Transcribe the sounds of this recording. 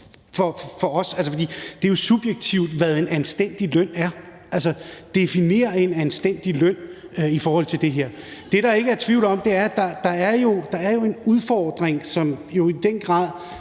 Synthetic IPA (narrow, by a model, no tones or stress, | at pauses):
fɒfɒ̽ɒ̽sæls̬əfɒ̽d̥ḭːd̥e̝ɐjo̝sub̥jeɡ̥̚t͡sʰiʊ̰d̥ʋæðˠe̝nænsd̥en̰d̥ilœn̰æɐ | ælsɐd̥e̝fine̝̰ːɐe̝nænsd̥en̰d̥iløn̰ | ifɒːhɒ̽l̰t͡sʰe̝ld̥e̝ɦeɐ̰ | d̥e̝ɾ̥ɑ̈e̝ɡ̥əæɐt͡sʰʋiʊ̰l̩ɒ̽md̥e̝æɐd̥ɑ̈d̥ɑ̈æɐjo̝d̥ɑ̈æɐjo̝e̝nuð̞ˠfɒːd̥ʁeŋsɒ̽mjo̝id̥enɡ̥ʁɑ̰̈ːð̰ˠ